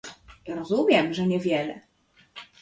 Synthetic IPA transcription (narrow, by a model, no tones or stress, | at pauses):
ɾɔzumʲjɛmʐɛɲɛvʲjɛlɛ̰